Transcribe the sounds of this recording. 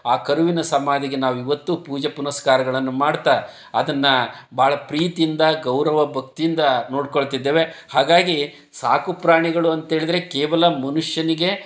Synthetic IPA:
aːkɐɾuʋinɐsɐmaːd̪iɡe̞naːʋuiʋɐt̪ːupuːd͡ʒɐpunɐskaːɾɐɡɐɭɐnːumaːɽt̪a | ɐd̪ɐnːɐbʱaːɭɐpɾiːt̪iind̪ɐɡɐwɾɐʋɐbʱɐk̚t̪ijind̪ɐno̞ːɽkoɭt̪id̪ːeːʋe̞haːɡaːɡi | saːkupɾaːɳiɡɐɭuɐnt̪ɐɦe̞ːɭid̪ɐɾe̞keːʋɐlɐmɐnuʂjɐniɡe̞

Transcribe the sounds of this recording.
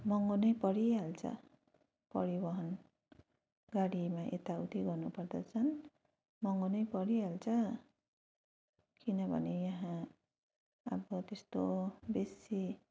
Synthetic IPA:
mʌŋonʌjpʌɾialt͡sʰʌ̰ | pʌɾibʌɦʌn | ɡaɽimaʔet̪aut̪ʰiɡʌrnupʌrd̪ʌ̰t͡sʰʌn | mʌŋonʌjpʌɽialt͡sʰʌ | kinʌbʱʌ̰nejʌɦã | ʌ̰bʌt̪est̪obesi

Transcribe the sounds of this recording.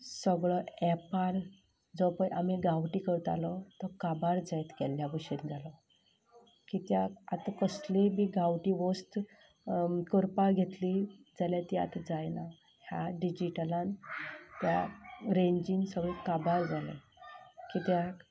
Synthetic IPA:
səɡɭɔɛpaɾ | d͡zɔpə̃jʔamiɡawʈikəɾt̪a̰lɔt̪ɔkabaɾd͡zɛjt̪kɛlːjabəɕind͡zalɔ | kit̪jaat̪akəslemiɡawʈiʋɔst̪ | kəɾpaɡʱet̪lid͡zaljat̪ia̰t̪ad͡zajna | hja̰ɖid͡ʑiʈəlãnt̪jaɾeɲd͡ʑinsəɡɭekabaɾd͡zalḛ | kit̪jak

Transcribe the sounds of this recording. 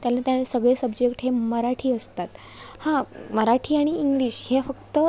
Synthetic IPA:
t̪jalat̪jasəɡɭesəbd͡ʑekʈɦeməɾaʈʰiːəst̪at̪ | hãməɾaʈʰiːaɽ̃iːŋɡliːɕhefəkt̪ə

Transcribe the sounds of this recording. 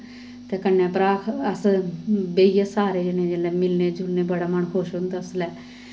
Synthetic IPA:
t̪eːkənːɛ̃ːpɾaːkʰəs | beijasaːɾeːd͡ʒenẽːd͡ʒeːlɛːmɪlneːd͡ʒʱʊlneːbəɽaːməɳkʰoʃɦʊ̃nd̪aːʊslɛː

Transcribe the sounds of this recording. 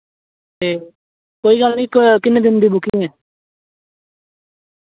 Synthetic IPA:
eː | koːiːɡəlnĩːkkɪnːed̪ɪnd̪iːbʊkiɛ̃ː

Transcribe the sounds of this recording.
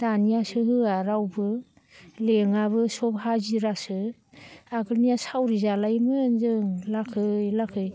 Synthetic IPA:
d̥anijasɯhɯaɾawbɯ | leŋaβɯsɔpɦaziɾasɯ | aɡɯlnijasawɾizalajmɯnzɯŋlakʰɯjlakʰɯj

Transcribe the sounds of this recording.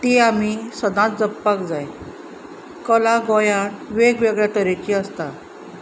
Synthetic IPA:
t̪iamisəd̪ãt͡sd͡zəpːakd͡zaj | kəlaɡɔjanʋeɡʋeɡɭjaʈəɾet͡ɕiəst̪a

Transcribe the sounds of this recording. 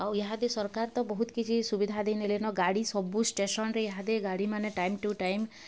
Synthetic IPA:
aweɦad̪esɔɾkaɾt̪ɔbɔɦut̪ɔ̥kit͡ʃʰisubid̪ʱad̪enelenɔɡaɽisɔbusʈesɔnɾeeɦad̪eɡaɽimaneʈajmʈuʈajm

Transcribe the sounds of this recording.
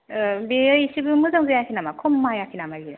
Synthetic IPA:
beɯjsibɯmɯzaŋzajakʰinamakʰomːajakʰinamaɡi

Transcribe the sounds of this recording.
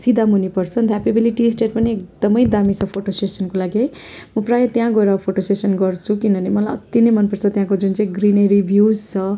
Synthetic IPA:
sid̪ʱamɦunipʌrt͡sʰʌnd̪ʰʱapebiliʈisʈeʈ̚pʌniek̚d̪ʌmʌjd̪amit͡sʰʌpʰoʈosʈesʌnkolaɡimʌprajʌt̪jãɡʌeɾʌpʰoʈosesʌnɡʌrt͡sʰukinʌnemʌlajʌt̪ːjinʌjmʌnpʌrt͡sʰʌt̪jãkod͡zunt͡saĩɡrineɾibʱjud͡zt͡sʰʌ

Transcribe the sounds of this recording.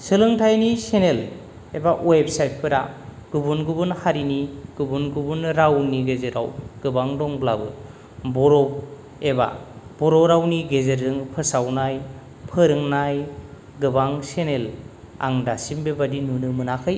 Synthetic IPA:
sɯlɯŋtʰajnisenel | ebaʔwebsajt̚pʰɯɾa̰ | ɡ̥ubunɡubunhaɾiniɡ̥ubunɡubunɾawniɡezeɾa̰wɡ̥ɯbaŋdɔŋblabɯ | bɔɾɔb | eba̰bɔɾɔɾawniɡezeɾɯŋpʰɯsawnaj | pʰɯɾɯŋnaj | ɡɯbaŋsenel | a̰ŋdasimbebadinunɯmɯnakʰɯj

